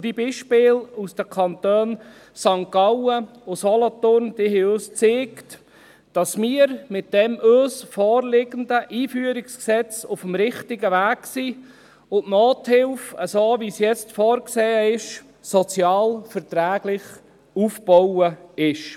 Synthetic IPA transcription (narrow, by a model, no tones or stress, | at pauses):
d̥ibiːʃpɪːlusd̥əkʰɑnt̪øːn | sɑŋkɑwə | ʊsɔlɔt̪ʊɾnd̥ɪhɛøːst͡seːkt | d̥ɑsmiəɾmɪt̚d̥ɛmʔøːsfɔːɾlɪɡənd̪əʔiːfyəɾɪksksɛt͡sʊfəmɾɪχtɪɡəʋæːɡsiː | ʊnʔnoːthɪlfəsoːʋisjɛt͡stfɔːɾkseːəɪʃ | sɔt͡sjɑːlfəɾt̪ɾæːɡlɪχ | uːfb̥ɔwəɪʃ